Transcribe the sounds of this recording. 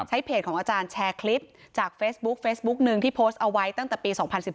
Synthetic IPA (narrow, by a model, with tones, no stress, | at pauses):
t͡ɕʰa˦˥jpʰeː˨˩t̪̚kʰɔː˩˦ŋʔa˧t͡ɕaː˧nt͡ɕʰɛː˧kʰli˦˥p̚ | t͡ɕaː˨˩k̚feː˦˥sbu˦˥k̚feː˦˥sbu˦˥k̚nɯ˨˧ŋt̪ʰiː˥˩pʰoː˦˥st̪̚ʔa˧wa˦˥jt̪a˥˩ŋt̪ɛː˨˩piː˧sɔː˩˦ŋpʰa˧nsi˨˩